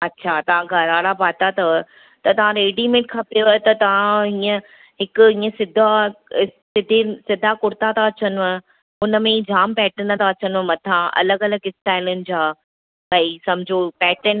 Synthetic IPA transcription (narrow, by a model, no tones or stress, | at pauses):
ɐtːɕʰat̪ɐʋ̤ãɡʱɐɾaːɽabaːt̪at̪ʰɐ | t̪ɐt̪ɐʋ̤ãɾeːɖimẽːʈ̚kʰapijot̪ɐt̪ɐʋ̤ãɦiːə̃ | ɦɪkʊĩːə̃sɪd̪ʱa | sɪd̪ʱesɪd̪ʱakʊɾt̪at̪ʰaɐt͡ɕənʋə̃ | ʊnə̆mẽd͡ʑaːmpɛːʈə̃nɐt̪ʰaɐt͡ɕənʋə̃mɐt̪ʰãʔɐ̰ləɡɐləɡɪsʈaːɪlʊnɪ̆d͡ʑaː | bɐisɐbʱɪd͡ʑʱopɛːʈən